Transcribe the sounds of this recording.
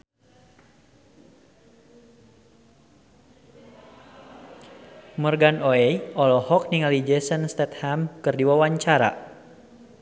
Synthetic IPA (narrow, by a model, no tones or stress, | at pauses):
mərɡanoɛjɔlɔhɔk̚niŋalid͡ʒɛsənst̪ɛt̪̚hamkɨrdiwawaɲt͡ʃaɾa̰